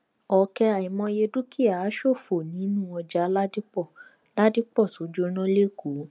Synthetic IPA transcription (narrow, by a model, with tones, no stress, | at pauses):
ɔ˨kɛ˧a˨i˨mɔ̃˧je˧du˦ki˦a˨a˨˦ʃo˦˨fo˨nĩ˨˦nũ˦ɔ˧d͡ʒa˦la˦di˦k͡pɔ˦˨ | la˦di˦k͡pɔ˦˨so˨˦d͡ʒo˦nɔ̃˦le˦˨ɡu˨˦